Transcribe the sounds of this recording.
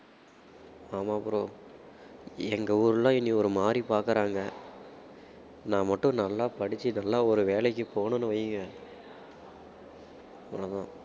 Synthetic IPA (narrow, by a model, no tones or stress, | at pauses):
aːmaːɐpɯɾõː | ɛŋɡɐuːɾɯlːãːɪnːiɔɾɯmaːɾipaːɾkɯɾaːŋɡɐ | nãːmɐʈːʊ̃nɐlːaːpɐɽɪt͡ʃːɯnɐlːaːɔɾɯʋeːlɛkːɯpoːɳʊnːɯʋɐjːɯŋɡɐ | pɔ̰nɐðãː